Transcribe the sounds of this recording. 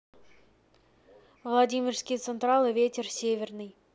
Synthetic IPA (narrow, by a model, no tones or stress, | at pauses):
vlˠadʲimʲɪrskʲijt̪sɨnt̪ralˠɨvʲetʲersʲevʲernɨj